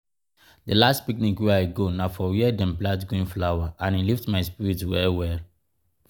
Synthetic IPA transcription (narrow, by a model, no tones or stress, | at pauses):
dəlastpiknĩkwɛaɪɡonafɔwiɛdɛ̃mblatɡoĩnflawaʔãniliftmaɪspiɹitwɛwɛl